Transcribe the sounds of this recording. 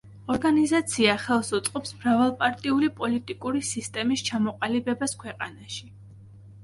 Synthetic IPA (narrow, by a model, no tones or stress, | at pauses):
ɔɾɡanizat̪sʰiaχɛlˠsut̪sʼqʼɔpsmɾavalˠpʼaɾt̪ʼiulipʼɔlit̪ʼikʼuɾisist̪ʼɛmist͡ʃʰamɔqʼalibɛbaskʰwɛqʼanaʃi